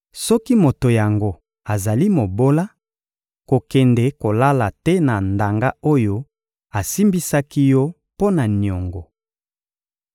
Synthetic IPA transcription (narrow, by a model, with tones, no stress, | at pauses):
sɔ˦ki˦mo˨to˨ja˨ŋɡo˦ | a˨za˨li˦mo˨bo˦la˦ | ko˨kɛ˨nde˨ko˨la˦la˨tɛ˦na˨nda˨ŋɡa˦o˦jo˦ | a˨si˦mbi˦sa˦ki˦jɔ˦ | po˦na˨n˨o˨ŋɡɔ˨